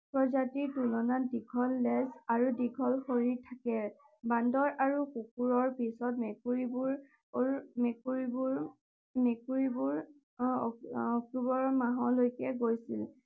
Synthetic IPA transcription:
pɹɔzatitulɔnadiɡʰʱɔlːɛsaɹudiɡʰʱɔlxoɹiɹtʰakɛ | bandɔɹʔaɹukukuɹɔɹpisɔt̚mekuɹibuɹ | mekuɹibuɹ | mekuɹibuɹ | ɔɔk̚tubɔɹmaɦɔlojkɛɡojsil

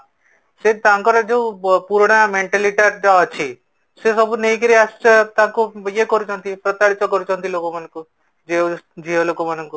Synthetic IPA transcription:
set̪ãŋkɔɾɔd͡ʒeũpuɾɽ̃ameɳʈeliʈaɾd͡ʒɔːt͡ʃʰi | sesɔbuneĩk̬iɾiast͡ʃet̪ãkujekɔɾut͡ʃʰɔ̃nt̪ʰipɾɔt̪aɽit͡ʃɔkɔɾut͡ʃʰɔ̃ɦnt̪ʰilokomañŋku | d͡ʒeud͡ʒʱiɦolokomanɔŋku

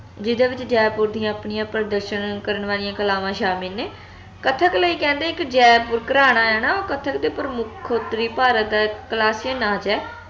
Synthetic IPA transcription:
d͡ʒɪd̪ãːʋɪt͡ʃd͡ʒɛːpʊɾd̪ɪjãːpɳɪjãːpɾəd̪əɾʃənkəɾəɳʋaːlɪjãːkəlaːʋãːʃaːmiːneː | kət̪ʰəkləiːkɛ̃ːnd̪eːɪkd͡ʒɛːpʊɾkəɾaːñaːɛːnaːoːkət̪ʰəkd̪eːpəɾəmʊkʰot̪ɾiːpaːɾət̪d̪aːkəlaːsɪjənaːd͡ʒɛː

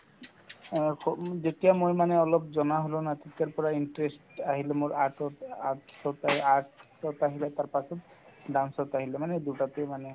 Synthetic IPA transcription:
kʰɔzetiamojmaneɔlɔp̚zɔnaɦolonat̪ik̪aɹpɔɹainʈɹesʈaɦilemoɹaʈɔt̪aʈsɔt̪aaʈ̚ | ɔt̪aɦilet̪aɹpasɔt̪̚ɖansɔt̪aɦilemaned̪uʈat̪emane

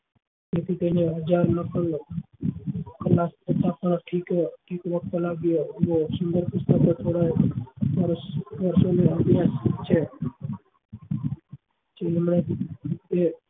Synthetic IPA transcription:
t̪et̪ʰit̪əneɦəd͡ʒaːɾnəkəl | kəlːaːspət̪akaɳʈʰikʈʰiːkʋək̚t̪laɡjobosʊnd̪əɾpʊst̪əkət͡ʃʰoɽaʋaɾoʋəɾsoneət̪ijast͡ʃʰe | t͡ʃeemɳe | e

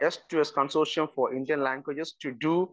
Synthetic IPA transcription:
ɛstuɛskɔ̃nsoʃɔ̃nfɔʔĩndiə̃nlæ̃ŋɡwɪd͡ʒɛstudu

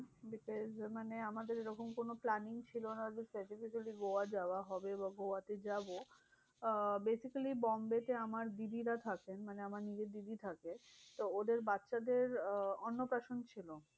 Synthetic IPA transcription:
bikɔzmaneamad̪eɾeɾɔkomkonoplaniŋt͡ɕʰilonaad̪isaɾʈifiʃaliɡowad͡ʑaaɦɔbebaɡowat̪ed͡ʑabo | besikalibɔmbet̪eamaɾd̪id̪iɾat̪ʰakenmaneamaɾnid͡ʑed̪id̪it̪ʰaket̪ood̪eɾbatːʃad̪eɾonːopɾaʃont͡ɕʰilo

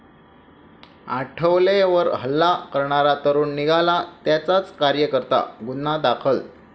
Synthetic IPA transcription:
aʈʰəʋleʋəɾɦəlːakəɾɳaɾat̪əɾuːnːiɡʱalat̪jat͡sat͡skaɾjəkəɾt̪a̰ɡunːad̪akʰəl

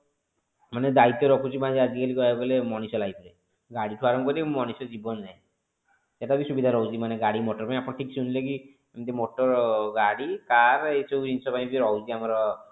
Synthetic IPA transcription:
maned̪ait̪ːjɔɾɔkʰut͡ʃʰibãd͡ʒead̪ʱikalikɔakɔlemɔɽ̃isɔlaipɔɾe | ɡaɽiʈʰuaɾɔŋkɔɾimɔɽ̃isɔd͡ʒibɔnd͡ʒaj̃ | seʈabisubid̪ʱaɾɔɦud͡ʒimaneɡaɽimoʈɔɾpaĩapɔɽ̃ɔʈʰiksunilek̬i | amt̪emoʈɔɾɡaɽikaɾeseinsɔpaĩbiɾɔud͡ʒiamɔɾɔ

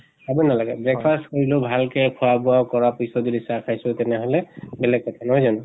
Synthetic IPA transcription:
abunalaɡɛbɹɛk̚pʰastkoɹilobʱalkɛkʰuwabʊawkɔɹapisɔdidisakʰajsʊtɛnɛɦolɛbɛlɛɡ̚kɔtʰanɔɦojzɔnɔ

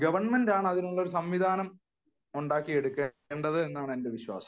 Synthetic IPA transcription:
ɡɐʋɐrɳmendaːɳɨɐðinuɭːo̞ɾus̬ɐmʋid̪ʱaːnɐm | uɳɖaːkːije̞ɽukːeːɳɖɐðɨe̞nːaːɳende̞ʋiɕwa̰ːsɐ̥

